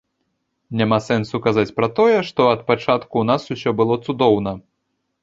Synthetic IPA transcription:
nʲamasɛnsukazat͡sʲpɾɐt̪ɔjɛʂt̪ɔɐt̪̚pat͡ʂat̪kun̪asusʲɔbɨlˠɔt̪sud̪ɔwnɐ

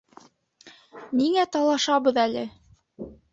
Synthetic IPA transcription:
niŋæt̪ɑlˠɑʃɑβɤ̆ðælɘ

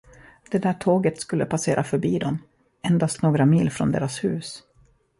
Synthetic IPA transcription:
d̪̥ɛd̪æːʈʰoːɡət̪skɵlːəpʰaseːɾʔafœɾbiːd̪ɔm | ɛnd̪ast̪noːɡɾamiːlfɾɔ̰nd̪ḛːɾashʉ̟ːs

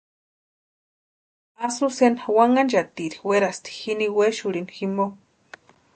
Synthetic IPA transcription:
asusenwaŋand͡ʒat̪iɾiweɾast̪i̥xiniweʃuɾinximo

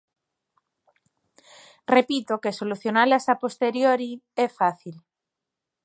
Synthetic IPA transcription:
repit̪okesoluθjonalasapost̪eɾjoɾiɛfaθil

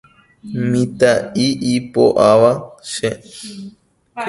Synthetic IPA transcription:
mĩt̪aiipo̰ʔaʋaʃe

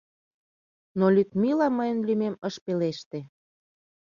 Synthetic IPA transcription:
nolʲyk̪milɑməjənlymeməʃpeleʃt̪e

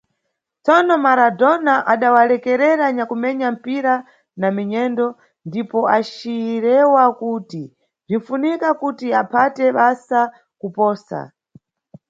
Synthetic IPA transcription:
t͡sɔnɔmaɾadɔnaʔaɗawalɛkɛɾɛɾaɲakumɛɲam̩piɾa | namiɲɛndɔ | ndipɔaʃiɾɛwakuːti | b͡ʐiɱ̩funikakutiapʰatɛɓasa | kupɔːsa̰

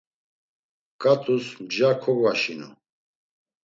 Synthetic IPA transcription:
kʼat̪ʼusmd͡ʒakʰɔɡaʃinṵ

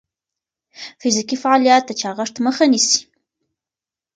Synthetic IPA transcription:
fɪzikifaɑlijɑt̪̚d̪ət͡ʃɑɣəʂt̪məxanisi̥

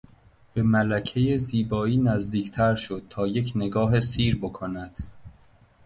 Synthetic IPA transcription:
b̥e̞mælæcʰe̞jeziːbɒːiːnæzd̪iːcʰt̪ʰæɾʃo̞d̪̚t̪ʰɒːje̞cʰne̞ɡɒːɦesiːɾbokʰonæd̪̥

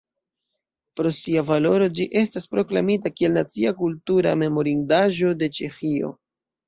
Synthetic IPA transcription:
pɾo̞siavalo̞ɾo̞d͡ʒiʔe̞staspɾo̞klamitakie̞lnat͡siakultuɾa̰me̞mo̞ɾindaʒo̞de̞t͡ʃe̞xio̞̰

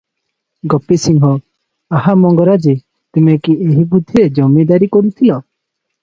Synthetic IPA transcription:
ɡɔpesiŋɦɔ | aɦamɔŋɡɔɾad͡ʒi | t̪imekieɦibud̪ʱːiɾed͡ʒɔmed̪aɾikɔɾut̪ʰilɔ

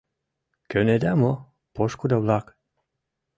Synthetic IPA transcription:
køned̪æmo | poʃkud̪ɑβlɑk

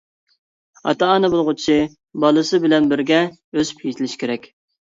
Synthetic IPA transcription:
ɑ̰t̪ɑɑnɨbolˠʁʊt͡ʃʰi | bɑlˠɨsɨbɪlɛnbɪɾɡʲɛ | øzy̥pʰet̪ʰɪlɪʃkʲeɾɛkʲ

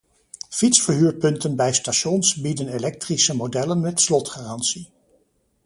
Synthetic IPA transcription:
fitsfəɹɦyːɹpɵntənbɛjstaʃɔnsbidənelɛk̚trisəmodɛlənmɛtslɔtχaːrɑnsi

